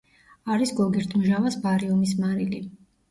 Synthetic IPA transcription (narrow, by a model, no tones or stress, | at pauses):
aɾisɡɔɡɛɾt̪ʰmʒavasbaɾiɔmis̬maɾili